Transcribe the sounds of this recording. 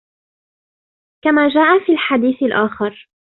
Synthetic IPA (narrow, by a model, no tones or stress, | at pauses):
kamaːd͡ʒaːʔafiːlħad̪iːθɪlʔaːxɑɾ